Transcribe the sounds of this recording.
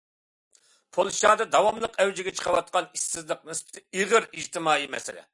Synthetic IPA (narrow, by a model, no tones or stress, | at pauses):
pʰolˠʃɑːd̪ɨd̪ɑwɑmlˠəqɛwd͡ʒɪɡʲɛt͡ʃʰə̥qʰɑwɑt̪̚qɑnisːɪzlˠəq̚nɨspʰɪ̥t̪ʰɪiʁəɾiʒt̪ʰɪmɑːimɛ̰sɪ̰lɪ̰